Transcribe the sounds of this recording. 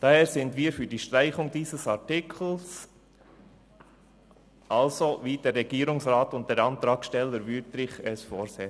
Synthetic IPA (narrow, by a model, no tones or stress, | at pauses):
d̥ɑheːɾsɪndviːəɾfyːɾd̥iːʃtɾaɪχʊŋdiːsəsɑɾtɪkʰl̩s | ʔɑlsoviːd̥ɛrːɛɡ̥iːɾʊŋsɾɑːtʊnt̚d̥ɛːɾɑnt̪ɾɑːkʃtɛlːəɾvytɾɪχɛsfoːɾseː